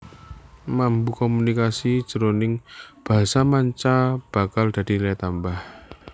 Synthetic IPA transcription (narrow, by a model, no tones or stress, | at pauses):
mambukomunikasi̥ʒ̥əɾonɪŋb̥a̤ɦasamaɲt͡ʃab̥a̤kald̥a̤d̪̥i̤lɛt̪ambah